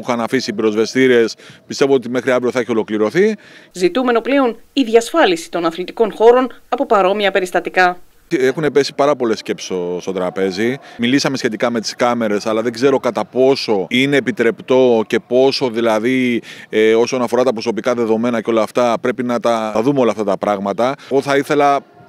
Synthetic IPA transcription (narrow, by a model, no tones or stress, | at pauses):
uxɐnɐfisiːpiɾo̞zve̞st̪iɾie̞spist̪e̞voo̞t̪ime̞xɾiɐvɾio̞θɐeçio̞lo̞kliɾo̞θi | zit̪ume̞no̞ple̞o̞niðʝɐsfɐlisi̥t̪o̞nɐθlit̪i̥ko̞nxo̞ɾo̞nɐpo̞pɐɾo̞miɐpe̞ɾist̪ɐt̪ikɐ | exune̞pe̞si̥pɐɾɐpo̞le̞sːce̞pse̥stost̪o̞t̪ɾɐpe̞zimilisɐme̞sçe̞t̪ikɐme̞t̪i̥skɐme̞ɾe̞sɐlɐðe̞ɡze̞ɾo̞kɐt̪ɐpo̞so̞ine̞ːpit̪ɾe̞pt̪o̞ce̞po̞so̞ðilɐðieo̞so̞nɐfo̞ɾɐt̪ɐpɾoso̞pikɐðe̞ðo̞me̞nɐceo̞lɐːft̪ɐpɾe̞pinɐt̪ɐðumeo̞lɐːft̪ɐt̪ɐpɾɐɣmɐt̪ɐɣo̞θɐiθe̞lɐ